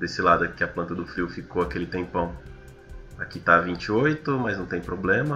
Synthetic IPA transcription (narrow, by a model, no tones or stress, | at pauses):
d̪esɪlad̪ʊkɪɐplɐ̃nt̪ɐd̪ʊfɾiwfikoakelɪt̪ẽpɐ̃w̃ | akit̪avĩnt͡ʃɪojt̪ʊmɐznɐ̃w̃t̪ẽj̃pɾoblẽmɐ